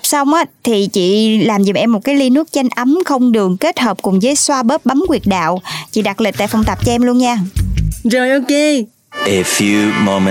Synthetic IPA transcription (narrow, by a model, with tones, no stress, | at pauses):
p̚sa˧wŋ͡mʔaː˨˦t̪ʰi˨˩t͡ɕḭ˧˨laː˨˩mzḭ˨˩ʔɛ˧mːo˨˩t̚kaː˨˦jli˧nɨ˦˥ək̚t͡ɕa˧jŋ̟ʔə˨˦mxə˧wŋ͡mɗɨ˨˩əŋke˦˥t̚həː˨˩p̚kʊ˨˩ŋ͡mzəː˨˦jswaː˧ɓə˦˥p̚ɓa˨˦mkwi˨˩ət̚ɗa̰ː˧˨wt͡ɕḭ˧˨ɗa˨˩k̚li˨˩k̚t̪a̰ː˧˨jfa˧wŋ͡mt̪a˨˩p̚t͡ɕɔ˧ʔɛ˧mlu˧ənɲaː˧˩zo˨˩jʔo˧ke˧ | ʔə˨˩fju˧mo˧m˧